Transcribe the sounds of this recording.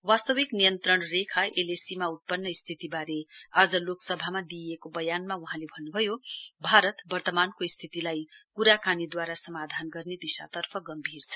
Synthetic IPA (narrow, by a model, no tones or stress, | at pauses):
wast̪ʌwiknijʌnt̪ɾʌɳrekʰaʔelesimaut̪̚pʌnːʌist̪ʰit̪ibaɾead͡zʌloksʌbʱamad̪iekobʌjanmauɦãlebʱʌnːubʱʌjobʱaɾʌt̪bʌrt̪ʌmankoist̪ʰit̪ilajkuɾakanid̪waɾasʌmad̪ʱanɡʌrned̪isa̰t̪ʌrpʰʌɡʌmbʱirt͡sʰʌ̥